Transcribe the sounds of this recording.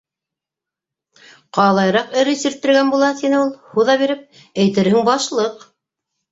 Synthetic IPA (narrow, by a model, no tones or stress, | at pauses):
qɑlˠɑjɾɑqɘ̆ɾɘsiɾt̪ːɘ̆ɾɡænbulˠɑt̪inɘulˠhuðɑβiɾɘp̚ | æjt̪ɘ̆ɾɦɘŋbɑʃlˠɤq